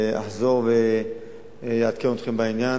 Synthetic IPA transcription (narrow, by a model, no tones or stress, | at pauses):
a̰ħzo̞ʁve | jeat̪̚kemot̪χembainja